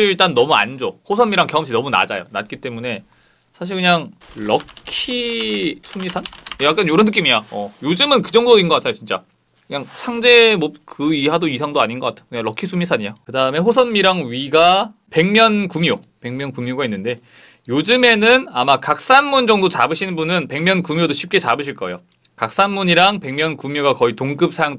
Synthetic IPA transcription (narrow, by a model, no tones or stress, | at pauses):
iɭt͈anːʌmua̰nd͡ʑohosʰʌnmiɾaŋkjʌʌmɕʰinʌmuna̰d͡ʑa̰jo̰na̰t̚k͈it͈e̞mune̞ | sʰaɕ̬ʰiɭkɯɲaŋɭʌkʰisʰumisʰanjak͈anjoɾʌnːɯk͈imiaʌjod͡ʑɯmɯnkɯd͡ʑʌŋdoinɡʌkatʰajot͡ɕint͡ɕ͈a̰ | kɯɲaŋt͡ɕʰaŋd͡ʑe̞mop̚kɯiɦadoisʰaŋdoaɲinɡʌk͈atʰejokɯɲaɾʌkʰisʰumisʰaɲijakɯdaɯme̞ɸosʰʌnmiɾaŋɥiɡa | pe̞ŋmjʌnkumjo | pe̞ŋmʲjʌnkumjoɡainːɯnde̞ | jod͡ʑɯme̞nɯnamakak̚s͈anmund͡ʑʌŋdot͡ɕabɯɕʰinnbunɯnpe̞ŋmjʌnkumjodoɕʰip̚k͈e̞t͡ɕabɯɕʰiɭk͈ʌḛjo | kak̚s͈anmuɲiɾaŋpe̞ŋmʲjʌnkumjoɡakʌitoŋɡɯp̚s͈ʰajŋ